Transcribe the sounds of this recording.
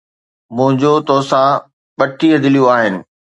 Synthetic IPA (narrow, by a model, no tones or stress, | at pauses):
mʊ̃ɦɪ̃ɲd͡ʑot̪ɔːsã | ɓɐʈʰiəd̪ɪlijoaːɦɪnɪ̆